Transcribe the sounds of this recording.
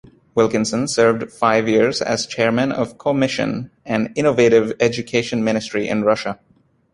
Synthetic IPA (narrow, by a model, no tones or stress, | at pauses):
wɪlˠkɨ̃nsə̃nsɜ˞vdfaɪvjɪɹzɨ̰z̥t͡ʃʰɛɹmɨ̃nʌ̰v̥kʰomɪʃɨ̰̃n | ɨ̃nɪ̃noveɪɾɪvɛd͡ʒɨkʰeɪʃɨ̃nmɪ̃ñɨstɹ̥iʔɪ̰̃nɹʌʃə